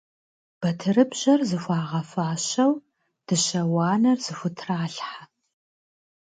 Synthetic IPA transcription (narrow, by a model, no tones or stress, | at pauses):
b̥ɐtʰɨɾɨbʑɐrzɨfʷɑːʁɐfaːɕɐw | d̥ɨɕɐwɑːnɐrzɨfʷʊtʰraːɬħa